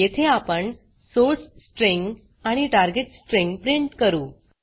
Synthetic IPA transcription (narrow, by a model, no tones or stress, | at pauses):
et̪ʰeapəɳ | sosːʈɾeŋɡ | aɽ̃iʈaɾɡeʈsʈɾeŋɡpɾiɳʈkəɾuː